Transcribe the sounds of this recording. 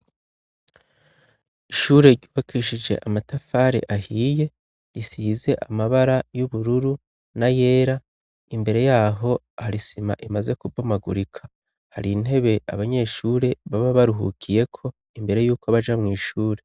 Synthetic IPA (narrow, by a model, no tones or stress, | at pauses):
iʃuːɾe̞ɾɟuːβakʰiːʃid͡ʒe̞̰ʔamatafaɾḛʔahiːje̞ | isiːze̞ʔamaβaɾajuβuɾuɾu | naje̞ːɾa | imbe̞ɾe̞jaːɦo̞ | haɾisima̰ʔimaze̞kubomaɡuɾikʰḁ | haɾin̥he̞βe̞ʔaβaɲe̞ːʃuːɾe̞βaβaβaɾuɦṵkʰije̞kʰo̞ | imbe̞ɾe̞juːkoβaʒamŋiːʃuːɾe̞